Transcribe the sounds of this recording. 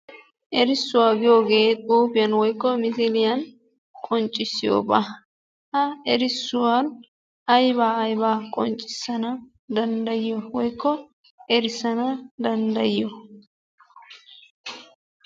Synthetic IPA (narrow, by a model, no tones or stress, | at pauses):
ʔɛɾɪsːʊwaːɡɪjo̞ːɡe̞ːt̪ʼuːpɪjɐnwɔjkːɔmɪsɪlɪjɐn | kʼɔnt͡ʃʼːɪsːɪjo̰ːbɐ | hɐɛɾɪsːʊwan | ɐjbaːɐjbaːkʼɔ̰nt͡ʃʼːɪ̥sːɐnɐ | d̪ɐnd̪ɐjɪjɔwɔjkːɔ | ɛɾɪsɐnɐd̪ɐnd̪ɐjːɔ